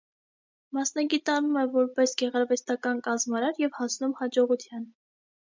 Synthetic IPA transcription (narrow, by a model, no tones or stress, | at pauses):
mɑsnɑɡit̪ɑnumɛvɔɾpɛsɡɛʁɑɾvɛst̪ɑkɑnkɑzmɑɾɑɾjɛvhɑsnumhɑd͡ʒɔʁut̪ʰjɑn